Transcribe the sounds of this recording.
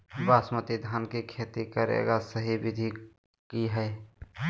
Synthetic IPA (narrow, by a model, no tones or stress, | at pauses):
baːsmət̪id̪ʱaːnkikʰeːt̪ikəɾḛɡasəɦibɪd̪ʱi | kiɦɛe